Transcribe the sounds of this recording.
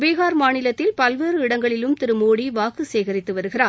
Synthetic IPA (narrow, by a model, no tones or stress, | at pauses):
ʋeːɣaːɾmaːnɪlɐt̪ːɪlpɐlʋeːɾɯɪɽɐŋɡɐɭɪlɯmt̪ɪɾɯmoːɽiʋaːkɯseːɣɐɾɪt̪ːɯʋɐɾɯɣɪraː